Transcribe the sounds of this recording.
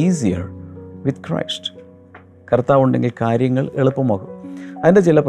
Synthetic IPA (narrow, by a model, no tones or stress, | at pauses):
iːsijɐ̰rʋid̪krɐ̰jst | kɐrt̪ːaːʋuɳɖe̞̰ŋɡilkaːɾjɐŋːɐɭeɭupːumoːkumɐðinde̞t͡ɕilɐp